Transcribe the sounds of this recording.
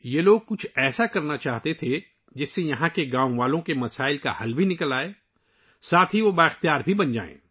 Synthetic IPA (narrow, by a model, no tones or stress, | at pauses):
jeloːɡ̚kʊt͡ʃʰɛːsakɐɾnat͡ʃaːɦt̪et̪ʰe | d͡ʒɪsːejɐɦãkeɡãːwʋaːlõkemɐsaːɪlka̰hɐlbʱinɪkəlaːeː | saːt̪ʰɦiʋobaɪxt̪ijaːɾbʱibɐnd͡ʒa̰ːḛ̃ː